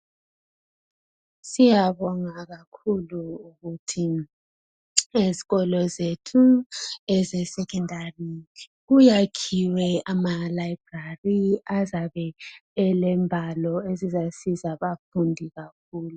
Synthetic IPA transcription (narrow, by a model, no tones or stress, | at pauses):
sijaβɔŋaɣakʰuluːɣutʰi | eziɣɔlɔzetʰuɛzɛsɛkʰɛndʱari | ɣujakʰiwɛʔamalaib̥rariazaβɛɛlɛmbʱalɔezizasizaβafundʱiɣak̚ʰuːlu